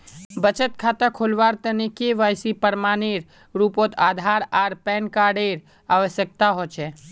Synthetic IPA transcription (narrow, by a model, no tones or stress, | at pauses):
bət͡ʃət̪̚kʰat̪akʰolʋaɾt̪ənikeʋajsipəɾmaneɾ | ɾupot̪ʰad̪ʱaɾaɾpɛnkaɖeɾ | aʋəsjək̚t̪aɦot͡ʃʰɛ